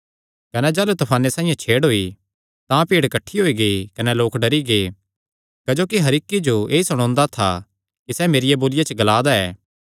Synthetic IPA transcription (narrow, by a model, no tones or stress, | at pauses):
kɐnɛd͡ʒaːlut̪ɐpʰaːnːesãːĩjãt͡ʃʰeːɽɦoːi | t̪ãpiːɽkɐʈʰːiɦoːiɡeikɐnɛloːkɖɐɾiɡeː | kɐd͡ʒoːkiɦɐɾɪkːid͡ʒoeːisɐɽ̃ɔ̃ːnd̪at̪ʰa̰ | kisɛːmeːɾɪjeboːlɪjat͡ʃəɡɐlaːd̪aɛː